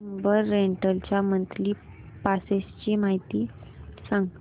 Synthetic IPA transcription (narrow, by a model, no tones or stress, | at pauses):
mbəɾːeɳʈəlt͡ɕjamənt̪ʰliː | pasest͡ɕiːmaɦit̪iːsãŋɡ